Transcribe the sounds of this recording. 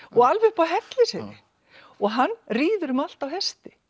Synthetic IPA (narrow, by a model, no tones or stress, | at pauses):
ɔɣalvʏhpaɦɛt̪lɪsɪnɪ | ɔɣɦanːriːðʏɾʏmal̥t̪awɦɛst̪ɪ